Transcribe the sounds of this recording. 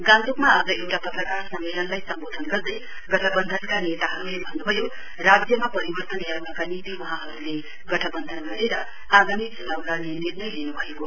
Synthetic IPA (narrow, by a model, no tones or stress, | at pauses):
ɡãnt̪ukmaːd͡zʌewʈapʌt̪rʌkarsʌmmelʌnlajsʌmbod̪ʱʌnɡʌrd̪ʌj | ɡʌʈʰʌbʌnd̪ʱʌnkanet̪aɦʌɾulebʱʌnːubʱʌjo | rad͡zjʌmapʌɾibʌrt̪ʌnjanʌkanit̪iwʌɦãɦʌɾule | ɡʌʈʰʌbʌnd̪ʱʌnɡʌɾeɾʌ | aɡamikd͡zʌlawnaninirnʌjlinubʱʌeko